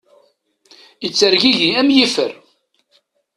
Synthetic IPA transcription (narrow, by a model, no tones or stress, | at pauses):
ət͡sːəɾʝiʝiæmjifəɾ